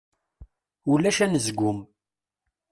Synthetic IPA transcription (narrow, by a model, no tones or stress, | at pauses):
ulːæʃænəzɡʷʊm